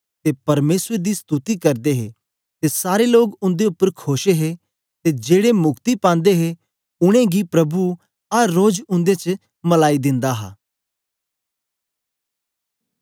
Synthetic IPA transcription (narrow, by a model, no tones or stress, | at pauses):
t̪epɐɾmeːsɾed̪ist̪ut̪ikɐɾd̪eɦḛ | t̪esaːɾeloːɡʊ̃nd̪eʊpːəɾkʰoːʃeɦe | t̪ed͡ʒeːɽemʊkt̪ipãːn̆d̪eɦe | ʊɽ̃ẽɡipɾɐbu | ɐːoːd͡ʒʊ̃nd̪et͡ʃ | mɐlaːid̪ɪ̃nd̪aɦa̰ː